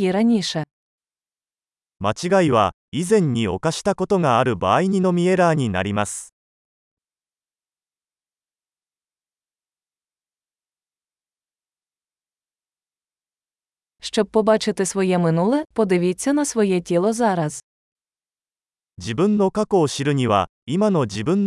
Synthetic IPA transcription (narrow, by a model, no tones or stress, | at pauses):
iɾɐnʲiʃɛ | mat͡ɕiɡaiβa̰ | izẽ̞ɲ̟ʲːio̞̰kaɕi̥t̪ako̞t̪o̞ŋaːɾɯ̟baːiɲ̟ino̞mʲie̞ɾaːɲ̟ʲina̰ɾʲimasɨ̥ | ʃt͡ʃɔb̚pɔbɑt͡ʃɪt̪ɪsʋɔjɛmɪnulˠɛpɔd̪ɪʋʲit͡sʲːɐnɐsʋɔjɛtʲilˠɔzaɾɐz̥ | d͡ʑibɯ̟̃nːo̞kako̞ːɕiɾɯ̟ɲ̟iβa̰ | imano̞d͡ʑibɯ̟̃nː